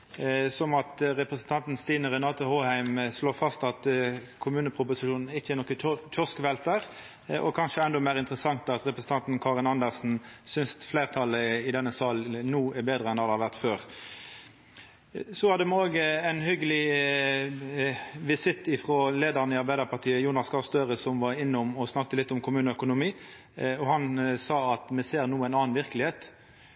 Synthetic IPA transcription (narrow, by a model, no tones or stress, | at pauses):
sɔmɑt̪ʁɛpʁəsən̩t̪ɑnt̪n̩st̪iːnəʁɛnɑːt̪ʊhoːhæɪmsloːfɑst̪ɑt̪kʰʊmʉːnəpʰʁʊpʊsɪʃuːnn̩ɪçːəɛnɔkːət̪ʰɔskʋɛlt̪əʁ | ʔɔkʰɑnʂəɛnd̪ɔmæɪʁɪnt̪ʁəsɑŋt̪ɑt̪ʁɛpʁəsn̩t̪ɑnt̪n̩kʰɑːʁənɑnd̪əʁsn̩sʏnsfleːʁt̪ʰɑlːəɪd̪ɛnːəsɑːlnuːɛbeːd̪ʁəɛnɑd̪əhɑʁʋæʁt̪føːʁ | sɔhɑd̪ːəmɛoːɡəæɪnhʏɡəlɪ | ʋɪsɪt̪ːɪfʁoːleːd̪əʁnəɪɑɾbæɪd̪əʁpʰɑʁt̪ʰiːəjuːnɑskʰɑst̪øːʁəsɔmʋɑɪnːəʊmɔsnɑkt̪əlɪt̪ːɔmkʰʊmʉːnəœkʊnʊmiː | ɔhɑnsɑːɑt̪mɛseːʁnuːæɪnɑːnʋɪʁkəlɪheːt̪